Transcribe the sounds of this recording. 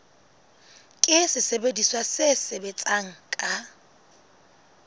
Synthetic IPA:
kʼɪsɪsebediswasɪsebet͡sʼaŋ̩kʼa

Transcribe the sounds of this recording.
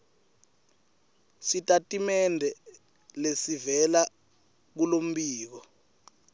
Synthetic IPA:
sitʼatʼimɛndʱɛ | lesivɛla | k̬ulom̩ɓiːk̬ɔ

